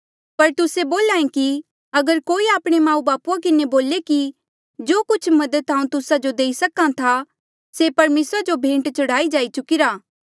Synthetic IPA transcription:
pɐɾt̪ʊseboːlãːẽki | ɐɡəɾkoːiaːpɽ̃emãːũbaːpuãk̬ɪneboːleki | d͡ʒoːkʊt͡ʃʰmɐd̪ət̪aːũt̪ʊsad͡ʒod̪eːisɐkãt̪ʰa | sepɐɾmeːsɾad͡ʒobʱẽːɳʈt͡ʃɐɽaːid͡ʒaːit͡ʃʊkɪɾaː

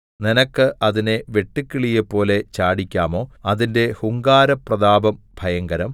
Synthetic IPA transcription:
ninɐkːɨʔɐðineʋe̞ʈːikːiɭijepːo̞ːle̞t͡ɕaːɽikʲːaːmo̞ːɐðinde̞huŋɡaːɾɐprɐðaːbɐmbʱɐjɐŋɡɐɾɐm

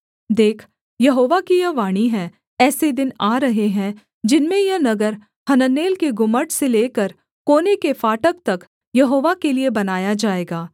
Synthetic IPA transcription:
d̪eːkʰ | jɐɦoːʋakijɐʋaːɽ̃iɦɛ̃ | ɛːsed̪ɪnaːɾɐɦeɦɛ̃ | d͡ʒɪnmẽjɐnɐɡəɾ | hɐnənːeːlkeɡʊməʈseleːkəɾ | koːnekefaːʈək̚t̪ɐk | jɐɦoːʋakeliebɐnaːjad͡ʒaːeːɡaː

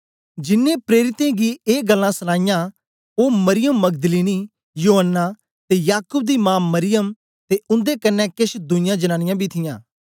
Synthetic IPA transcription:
d͡ʒɪnːẽːpɾeːɾɪt̪ẽːɡiːeːɡəlːãːsənãːɪjãː | oːməɾɪjəmːəɡd̪əliːniː | joːɦənːaː | t̪eːjaːkʊb̚d̪iːmãːmːəɾɪjəm | t̪eːʊ̃nd̪eːkənːɛːkɪʃd̪ʊɪ̃jãːd͡ʒənãːnɪ̃jãːbʱiːt̪ʰɪjãː

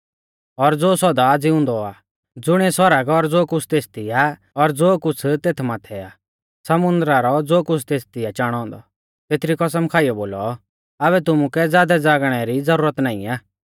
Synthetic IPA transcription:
ɔɾd͡zoːsɔd̪ad͡zɪʊ̃nd̪ɔaː | d͡zʊɽ̃ɛsɔɾəɡɔɾd͡zoːkʊt͡sʰt̪eːst̪ia | ɔɾd͡zoːkʊt͡sʰt̪eːt̪ʰmat̪ʰɛa | sɐmʊ̃nd̪ɾaɾɔd͡zoːkʊt͡sʰt̪eːst̪iat͡ʃaːɽ̃ɔ̃ːnd̪ɔ̰ | t̪eːt̪ʰɾikɔs̬əmkʰaːijɔboːlɔ | aβɛt̪̬ʊmukɛd͡zjaːd̪ɛd͡zaːɡɽ̃ɛɾid͡zɐɾuːɾət̪naːḭ̃aː

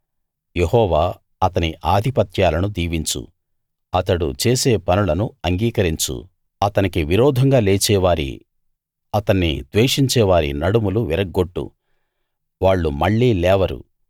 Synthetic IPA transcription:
jehɔːʋaː | ɐt̪ɐniʔaːd̪ʱipɐt̪jaːlɐnud̪iːʋiɲt͡ʃṵ | ɐt̪ɐɽṵt͡ʃeːseːpɐnulɐnuɐŋɡiːkɐɾiɲt͡ʃṵ | ɐt̪ɐnikiʋiɾɔːd̪ʱɐŋɡaːleːt͡ʃɛːʋaːɾḭ | ɐt̪ɐnːḭd̪ʋeːʂiɲt͡ʃɛːʋaːɾḭnɐɽumuluʋiɾɐɡːoʈːṵ | ʋaːɭːumɐɭːiːlɛːʋɐɾṵ

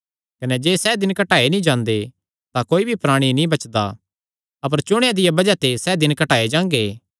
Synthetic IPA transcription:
kɐnɛd͡ʒeːsɛːd̪ɪnkɐʈaːenĩd͡ʒãːnd̪e | t̪ãkoːibʱipɾaːɽ̃inĩbɐt͡ʃd̪a̰ | ɐp̬əɾt͡ʃʊɽ̃jad̪ɪjabɐd͡ʒat̪esɛːd̪ɪnkɐʈaːed͡ʒãːŋɡeː

